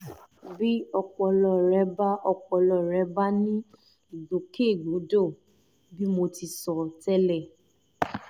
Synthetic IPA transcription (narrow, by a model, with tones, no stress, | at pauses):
bi˦ɔ˧k͡pɔ˧lɔ˧˨ɾɛ˨˦ba˦ʔɔ˧k͡pɔ˧lɔ˧˨ɾɛ˨˦ba˦nĩ˦˨ | ɡo˨˦ke˦˨ɡ͡bo˨˦do˦˨ | bi˦mo˧ti˧sɔ˨tɛ˦lɛ˦˨